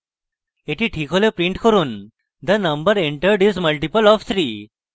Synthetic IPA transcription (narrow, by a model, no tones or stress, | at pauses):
eʈiʈʰikʰolepɾĩɳʈkəɾuːn | d̪ənəmbəɾeɳʈəɾɖizməlʈipəlɔft̪ʰɾiː